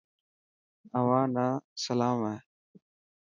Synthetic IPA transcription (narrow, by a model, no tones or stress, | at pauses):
əʋãːnaːsəlaːmɛː